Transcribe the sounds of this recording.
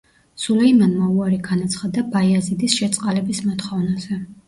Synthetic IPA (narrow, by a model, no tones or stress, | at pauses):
sulɛimanmauaɾiɡanat̪sʰχad̪abaiazid̪isʃɛt̪sʼqʼalɛbismɔt̪χɔvnaz̥ɛ